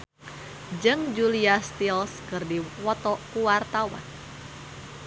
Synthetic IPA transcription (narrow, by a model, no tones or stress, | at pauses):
d͡ʒɨŋd͡ʒuliast̪ilskɨrdiwɔt̪ɔkuwart̪awa̰n